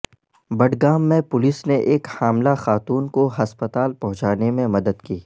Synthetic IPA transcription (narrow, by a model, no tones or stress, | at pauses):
bɐɖɡaːmːẽpʊlɪsneʔeːkhaːmlaxaːt̪uːnkoɦɐspət̪aːlpɐɦʊ̃t͡ʃaːnemẽmɐd̪əd̪kiː